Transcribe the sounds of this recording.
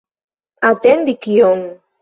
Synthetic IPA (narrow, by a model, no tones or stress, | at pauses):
at̪end̪ikjoŋ